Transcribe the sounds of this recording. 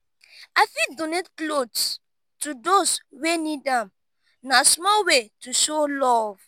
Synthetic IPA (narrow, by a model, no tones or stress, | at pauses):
afidɔ̃netklods | tudoswenidãm | nasmɔwetuʃolɔv̥